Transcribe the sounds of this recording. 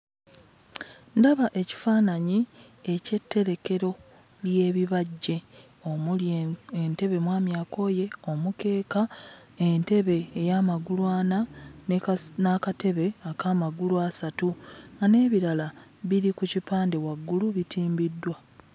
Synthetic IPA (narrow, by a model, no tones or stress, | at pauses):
ndaβaʔe̞ci̥faːnaɲi | e̞ce̞tːe̞ɾe̞ke̞ɾo̞ | lje̞ːβiβaɟːe̞ | o | ente̞βe̞mwaːmjaːko̞ːje̞o̞muke̞ːka | ente̞βe̞ːjamaɡulwaːnannakate̞βe̞akaːmaɡuluasatuane̞ːβiɾalaβiɾikucipaːnde̞waɡːuluβitʰiːmbidːwa